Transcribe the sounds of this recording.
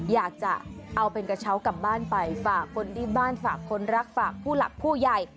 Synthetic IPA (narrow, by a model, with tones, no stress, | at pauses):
jaː˨˩k̚t͡ɕa˨˩ʔa˧wpe˧nka˧t͡ɕʰa˦˥wka˨˩p̚baː˥˩npa˧jfaː˨˩kʰːo˧ndiː˥˩baː˥˩nfaː˨˩kʰːo˧nɾa˦˥k̚faː˨˩k̚pʰuː˥˩la̰˨˩k̚pʰuː˥˩ja˨˩j